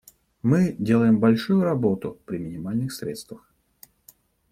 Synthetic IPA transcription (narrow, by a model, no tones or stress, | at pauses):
mɨdʲe̞lˠəjɪmbɐlʲʂujʊɾɐbo̞t̪ʊpɾʲɪmʲɪnʲɪmalʲnɨxsɾʲet̪st̪vəx